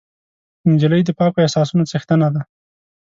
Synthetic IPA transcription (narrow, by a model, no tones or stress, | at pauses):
ɪnd͡ʒɪləjd̪əpɑkoesɑsunat͡səxt̪ənad̪a